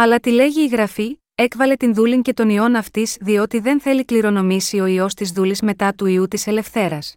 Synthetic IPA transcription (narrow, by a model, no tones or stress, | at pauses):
ɐlɐt̪ile̞ʝiːɣɾɐfi | e̞kvɐle̞t̪inðuliɲce̞t̪o̞nio̞nɐft̪izðio̞t̪iðe̞nθe̞likliɾo̞no̞misio̞io̞st̪izðulizme̞t̪ɐt̪uiut̪ise̞le̞fθe̞ɾɐs